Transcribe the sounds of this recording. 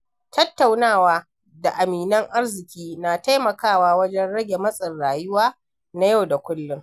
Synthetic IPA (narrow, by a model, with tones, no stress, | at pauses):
tʰɐ˦tːa˨wnaː˦˨waː˦ | da˨ʔa˨miː˨nɐ˦ŋʔa˦rzɪ˨kʲiː˦na˨ta˦jmɐ˨kaː˦˨waː˦wɐ˦d͡ʒɛ˦nɽɐ˦ɡʲe˨mɐ˦sʼɐ˨nɽaː˨jʊ˦waː˦ | na˦ja˦wda˨kʷʊ˦lːʊ˦ŋ